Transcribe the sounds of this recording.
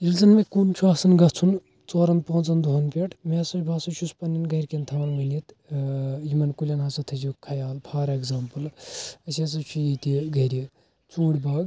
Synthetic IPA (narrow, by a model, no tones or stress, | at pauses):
ilzɐnmekunt͡ʃʰuɐːsɐnɡɐt͡sʰun | t͡soːɾɐnd̪̚põːt͡sɐnd̪uɦɐnpeʈʰmesɐt͡ʃʰʲbʱɐsɐt͡ʃʰuspɐninɡɐjɾʲkent̪ʰɐʋɐnmɨnit̪ | jimɐnkulʲɐnɦɐsɐt̪ʰɐd͡ʒikʰːɐjaːlpʰaːɾeɡzaːmpɨlɐseːs̬ɐt͡ʃʰujit̪iɡɐɾʲi | t͡suːɽʲbɐːɡ